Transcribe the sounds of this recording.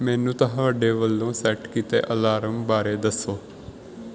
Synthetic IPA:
mɛ̃ːnũːt̪əɦãːʋəɖeːʋəlːõːsɛːʈkit̪ḛːʔəlaːɾəmbaːɾeːd̪əsːoː

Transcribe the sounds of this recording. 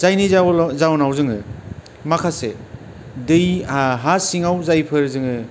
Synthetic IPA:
zajnizawzawnawzɯŋɯ | makʰase | dɯjaɦasiŋawzajpʰɯɾzɯŋɯ

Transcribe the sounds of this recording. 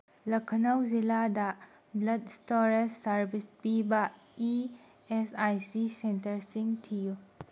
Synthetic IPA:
lɐkʰɐnɐwziladɐ | blɐd̚stoɾesːɐɾbʱispibɐ | i | esajsisentɐɾsiŋtʰiju

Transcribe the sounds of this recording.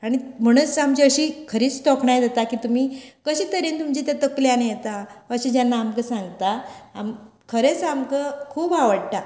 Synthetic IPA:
aɽ̃im̤əɽ̃ut͡samt͡ɕiəɕiːkʰəɾiːt͡st̪ɔkɳajd̪et̪akiːt̪um̤iːkəɕiːt̪əɾent̪umt͡ɕit̪jat̪əkljanjet̪aəɕid͡ʑjanːaːmkəsãŋɡt̪aamkʰəɾet͡samkəkʰuːbaʋəɽʈa

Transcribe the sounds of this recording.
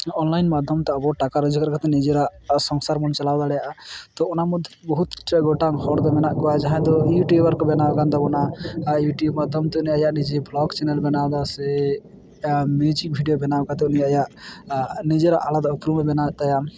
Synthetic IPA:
ɔnlajnmad̪ʱjɔmt̪ɔɔbɔʈakaɾəd͡ʒukaɾkat̪ɛnid͡ʒeɾaʔsɔŋsaɾmɔnt͡ʃalawd̪alɛjaʔat̪ɔɔnamud̪ʱjbɔɦut̪t͡ʃaɡɔʈaŋhɔɾd̪ɔmɛnaʔɡɔad͡ʒaɦɛ̃d̪ɔjuʈjubaɾkɔbɛnawkand̪ɔbɔnajuʈjubmad̪ʱjɔmt̪ɔuniajaʔnid͡ʒeblɔɡt͡ʃɛnɛlbɛnawd̪asɛ | mid͡ʒiŋbʱiɖijobɛnakat̪ɛuniajaʔ | nid͡ʒeɾaʔalad̪upɾumɛbɛnat̪ajam

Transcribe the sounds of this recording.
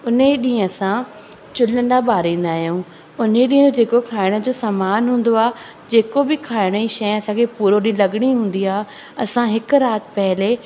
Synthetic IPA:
ʊneɗĩːə̃sã | t͡ɕʊlədabaːɾĩːn̆d̪aːɦijũː | ʊneɗĩːə̃od͡ʑeːkokʰaːɪɽ̃ə̆d͡ʑoːsaːmaːnɦũːn̆d̪oaː | d͡ʑeːkobɪkʰaːɪɽ̃əiʃɐj̃ɐsãkʰepuːɾoɗĩɦə̃lɐɠɽ̃iɦũːn̆d̪iaːɦ | ɐsãɦɪkʊɾaːt̪pɐɦɪle

